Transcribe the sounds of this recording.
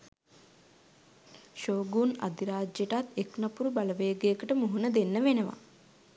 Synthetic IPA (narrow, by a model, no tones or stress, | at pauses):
ʃoːɡuːna̰d̪iɾaːd͡ʒeʈat̪ːeknapuɾubaləʋeːəɡejəkəʈəmuɦunəd̪enːəʋenəʋa̰